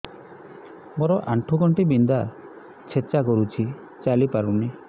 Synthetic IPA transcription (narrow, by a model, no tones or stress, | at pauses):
moɾɔʔaɳʈʰuɡɔɳʈibind̪a | t͡ʃʰet͡ʃakɔɾut͡ʃʰi | t͡ʃalipaɾuni